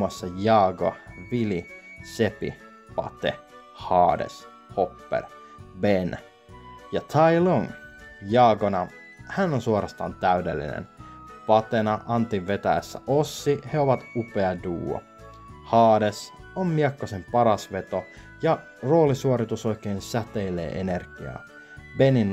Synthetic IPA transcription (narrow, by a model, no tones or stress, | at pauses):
ɑsːɑjɑːɡo̰ʋilisepḭ | pɑ̰t̪ḛ | hɑːdḛs | hopːḛr | ben | jɑt̪ʰɑiloŋjɑːɡonɑ | hænːonsuoɾɑst̪ɑ̰ːnt̪æydelːḭnḛn | pɑt̪enɑʔɑnt̪iʋʋet̪æjæsːæ̰ʔosːiheoʋɑt̪upeɑduːo̰ | hɑːdesommiɑkːosempɑɾɑsʋet̪o | jɑ | roːlisuoɾit̪usoikeːnsæt̪eilḛːʔenerɡ̥iɑ̰ː | benin